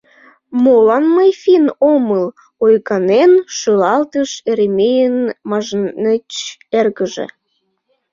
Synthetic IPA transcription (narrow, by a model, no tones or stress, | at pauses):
molɑnməjfinoməl | ojkɑnenʃølɑlt̪əʃeɾemejənmɑʒnnət͡ɕerɣəʒḛ